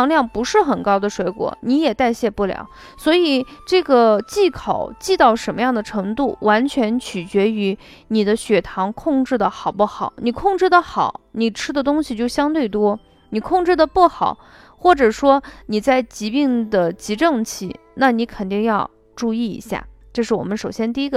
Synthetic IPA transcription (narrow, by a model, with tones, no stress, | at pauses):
ɑ˧˥ŋljɑ˥˩ŋpu˧˥ʂɻ̩˥˩xə˨˩nkɑ˥ʊd̪ə˨˩ʂwe˧˥ɪkwɔ̰˨˩ni˧˥jɛ˨˩t̪a˥˧ɪɕjɛ˥˧pu˥˩ljɑ̰˨˩˦ʊ | swɔ˧˥i˨˩ʈ͡ʂɤ˥˩ɡə˩t͡ɕi˥˩kʰɑ˨˩˦ʊt͡ɕi˥˧t̪ɑ˥˩ʊʂə˧˥nmə˧jɑ˥˩ŋd̪ə˩ʈ͡ʂʰɤ˧˥ŋt̪u˥˩wa˧˥nt͡ɕʰɥɛ˧˥nt͡ɕʰy˨˩t͡ɕɥɛ˧˥y˧˥ | ni˨˩d̪ə˦ɕɥɛ˨˩t̪ʰɑ˧˥ŋkʰʊ˥˧ŋʈ͡ʂɻ̩˥˩d̪ə˩xɑ˨˩ʊpu˥˩xɑ˨˩˦ʊni˨˩kʰʊ˥˧ŋʈ͡ʂɻ̩˥˩d̪ə˩xɑ˨˩˦ʊni˨˩ʈ͡ʂʰɻ̩˥d̪ə˨t̪̬ʊ˥ŋɕi˨t͡ɕjo˥˩ʊɕjɑ˥ŋt̪we˥˩ɪt̪wɔ˥ | ni˨˩kʰʊ˥˧ŋʈ͡ʂɻ̩˥˩d̪ə˩pu˥˩xɑ˨˩˦ʊ | xwɔ˥˩ʈ͡ʂɤ˨˩ʂwɔ˥ni˨˩t͡sa˥˩ɪt͡ɕi˧˥pi˥˩ŋd̪ə˩t͡ɕi˧˥ʈ͡ʂɤ˥˧ŋt͡ɕʰḭ˥˩ | na˥˩ni˧˥kʰə˨˩nt̪i˥˧ŋjɑ˥˧ʊ | ʈ͡ʂu˥˧i˥˩ḭ˧˥ɕja̰˥˩ʈ͡ʂɤ˥˧ʂ̬ɻ̩˥˩wɔ̰˨˩mə˦nʂo˨˩ʊɕjɛ˥nt̪̬i˥˧i˥ɡə˧